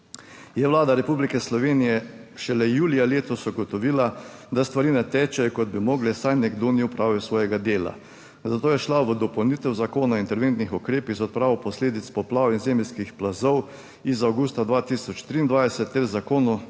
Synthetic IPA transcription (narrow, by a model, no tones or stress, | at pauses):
jɛʋlaːd̪aɾɛpublikɛslɔʋeːnijɛʃɛlɛjuːlijaleːt̪ɔsɔɡɔt̪ɔʋiːlad̪ast̪ʋaɾinɛt̪ɛːt͡ʃɛjɔkɔd̪̚bimɔːɡlɛsajnɛɡd̪oːniʊpɾaːwʋɛsʋɔːjɛɡad̪eːla̰ | zat̪oːjɛʃlaʋəd̪ɔpɔwniːt̪ɛwzakoːnaint̪ɛɾʋeːnt̪nixɔkɾeːpiɣzɔt̪̚pɾaːɔpɔsleːd̪it̪spɔplaːwinzeːmɛlʲskixplazɔw | izawɡuːst̪ad̪ʋaːt̪isɔt͡ʃt̪ɾiːnd̪ʋajsɛt̪ːɛɾzakoːnu